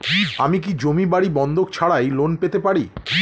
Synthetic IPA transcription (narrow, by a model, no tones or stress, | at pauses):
amik̬id͡ʑomibaɽibɔnd̪ʱokt͡ɕʰaɽajlonpet̪epaɽḭ